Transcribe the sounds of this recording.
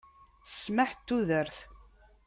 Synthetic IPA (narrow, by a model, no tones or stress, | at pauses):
sːmaħt̪ːuðəɾθ